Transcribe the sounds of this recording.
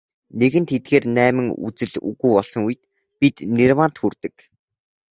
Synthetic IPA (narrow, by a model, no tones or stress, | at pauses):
neɣɘ̆nt̪ʰet̪̚ɡeːrnæːmɘ̆ŋṵt͡sɘ̆ɮṵɣujpɔɮsɞ̆ŋuj̆t̪̚ | pit̪nerwaːnt̪xurt̪ɘ̆k